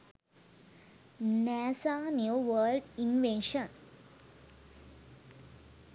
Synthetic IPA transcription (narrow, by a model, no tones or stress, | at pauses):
nɛsanjuʋəːlɖinʋẽnʃə̃n